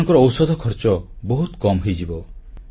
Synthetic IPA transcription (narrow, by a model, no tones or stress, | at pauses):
ŋkɔɾɔːwsɔd̪ʱɔkʰɔɾt͡ʃɔbɔɦut̪kɔmɦojd͡ʒibɔ